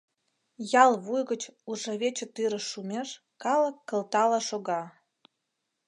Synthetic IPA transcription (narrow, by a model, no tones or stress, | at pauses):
jɑlβujɣət͡ɕuʒəβet͡ɕə̆t̪yɾə̆ʃːumʲeʃ | kɑlə̆kːə̆lt̪ɑlɑʃoɣɑ